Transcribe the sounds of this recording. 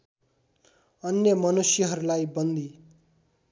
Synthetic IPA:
ʌnjʌmʌnusjʌɦʌɾulajbʌnd̪i

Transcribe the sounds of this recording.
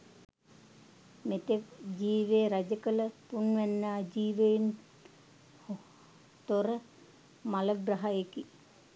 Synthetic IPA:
met̪eʋd͡ʒiːʋeːɾad͡ʒəkələpunʋɛnːaːd͡ʒiːʋen | o | t̪oɾə | maləɡraɦaeki

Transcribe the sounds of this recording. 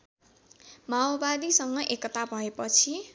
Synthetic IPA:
maobad̪isʌŋɡʌʔekʌt̪abʱʌepʌt͡sʰi

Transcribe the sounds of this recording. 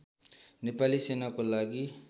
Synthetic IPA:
nepalisenakolaɡi

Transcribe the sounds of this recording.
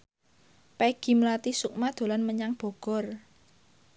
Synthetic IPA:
pɛɡ̥i̤mlat̪isuk̚mad̪̥o̤lanməɲaŋb̥ɔ̤ɡ̥ɔ̤r

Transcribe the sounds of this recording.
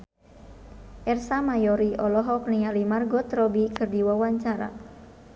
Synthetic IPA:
ʔɛrsamajɔɾiʔɔlɔɦɔk̚nialimarɡɔt̪ɾɔbikɨrdiwawaɲt͡ʃaɾa̰

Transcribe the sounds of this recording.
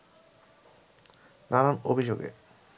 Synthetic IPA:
nananobʱid͡ʑoɡḛ

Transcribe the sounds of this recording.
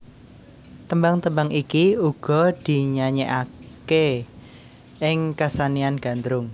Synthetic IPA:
t̪əmbaŋt̪əmbaŋikiuɡ̥ɔ̤d̪̥i̤ɲaɲeʔake | ɪŋkasanianɡ̥a̤nd̪ɾʊŋ

